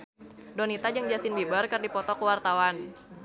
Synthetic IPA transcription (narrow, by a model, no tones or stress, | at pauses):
donit̪ad͡ʒaŋd͡ʒast̪ɪnbibərkərdipɔt̪ɔkuwart̪awan